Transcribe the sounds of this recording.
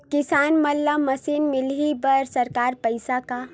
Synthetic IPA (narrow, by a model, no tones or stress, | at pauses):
kɪsaːnməlːaməsiːnmɪlɦibəɾsəɾkaːɾpəɪsaka